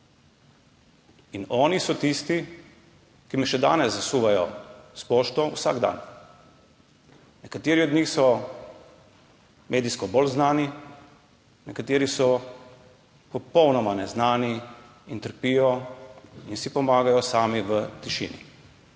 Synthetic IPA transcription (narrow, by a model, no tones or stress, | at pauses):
inɔːnisɔt̪ist̪i | kimɛʃɛd̪a̰ːnɛsːasuːʋajɔspɔːʃt̪ɔusa̰ɡd̪a̰ːn | nɛkat̪eːɾiɔd̪ɲiːxsɔ | mʔeːd̪iskɔbɔlznaːni | nɛkat̪eːɾisɔ | pɔpɔwnɔmanɛznaːni | int̪əɾpiːjɔ | insipɔmaːɡajɔsaːmiʋət̪iʃḭːnḭ